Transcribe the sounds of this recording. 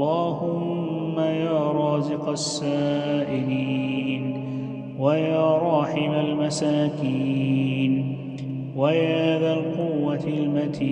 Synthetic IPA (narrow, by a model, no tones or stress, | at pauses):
ɑːhʊmː | ajaːɾˤɑːzɪqɑsːaːʔɪliːn | wajaːɾˤɑːħɪmalmasaːkiːn | wajaːðalqʊwːalmat̪ʰiː